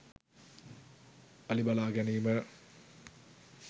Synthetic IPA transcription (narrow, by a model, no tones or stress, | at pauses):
ɐlibalaɡɐnimɐ